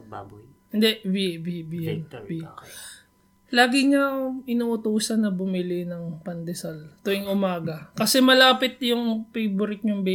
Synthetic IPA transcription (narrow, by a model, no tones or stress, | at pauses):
hɪnd̪ɛʔbibibijɐnbi | laːɡɪŋɐɪnʊʔʊt̪uːsɐnːɐbʊmɪlɪnɐŋpɐnd̪ɛsɐlt̪ojɪŋʔʊmaːɡɐkɐsɛmɐlaːpɪt̪̚jʊŋpejbʊɾɪk̪̚ɲʊŋbɛ